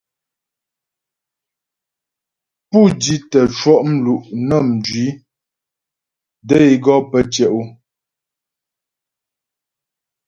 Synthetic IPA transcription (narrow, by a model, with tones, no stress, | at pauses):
pu˦˨di˦tə˨t͡ʃwɔ˦ʔm̩˦lu˨ʔnə˦˨m̩˨d͡ʒɥi˨˦ | də˦i˦ɡɔ˦pə˦t͡ʃjɛ˨ʔo˦